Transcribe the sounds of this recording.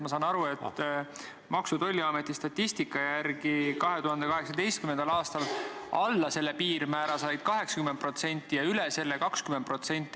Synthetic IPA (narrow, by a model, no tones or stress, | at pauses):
mɑsɑːnɑɾue̞t̪ː | mɑksut̪o̞lʲːiɑmet̪ːˑist̪ɑt̪ʲːist̪ikːˑɑjærɡikɑɦe̞t̪uɦɑnd̪e̞kɑɦe̞ksɑd̪e̞jst̪̚kyme̞nd̪ɑlɑːst̪ɑlʔɑlːɑse̞lːe̞piːɾmæːɾɑsɑjd̪̥̚kɑɦe̞ksɑkymed̪̚pro̞t̪se̞nʲt̪ːˑijɑylese̞lːe̞kɑkskymen̚pro̞t̪se̞nʲt̪ːˑi